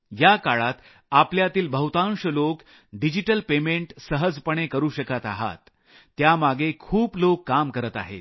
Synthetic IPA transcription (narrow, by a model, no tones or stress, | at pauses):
jakaɭat̪ | apljat̪iːlbʱəɦut̪ãŋɕəlok | ɖid͡ʑiʈəlpemeɳʈsəɦəd͡zpəɳ̃ekəɾuːɕəkat̪aɦa̰t̪ː | jamaɡʱekʰuːplokːamkəɾət̪a̰ɦḛt̪